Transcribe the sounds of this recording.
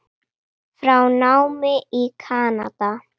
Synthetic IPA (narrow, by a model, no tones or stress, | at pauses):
fɾawnawmeʔikʰana̰d̪a